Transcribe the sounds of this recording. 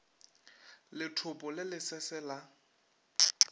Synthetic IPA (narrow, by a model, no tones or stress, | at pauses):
lɪtʰʊpʼɔlɪlɪsɛsɛla